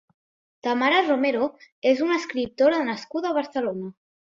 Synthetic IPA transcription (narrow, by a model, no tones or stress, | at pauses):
t̪amaɾəromeɾoezunəskɾip̚t̪oɾaðnəskuðəβ̞əɾsəlonə